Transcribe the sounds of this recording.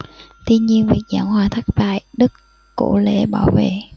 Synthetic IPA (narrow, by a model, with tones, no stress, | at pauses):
t̪i˧ənɲi˧ənvi˨˩ək̚za̰ː˧˩˦nɦwaː˨˩t̪ʰa˦˥k̚va̰ː˧˨jɗɨ˦˥kː | o˧˥lḛ˧˥ɓaː˧˩wvḛ˧˨